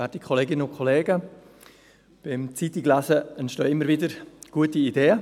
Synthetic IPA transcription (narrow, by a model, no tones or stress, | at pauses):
vɛːɾdikʰχoleːɡɪnəʊkʰoleːɡə | b̥ɪmt͡sitiklæzəɛntʃtøːɪmːəɾvɪdəɾɡ̥uətiideːə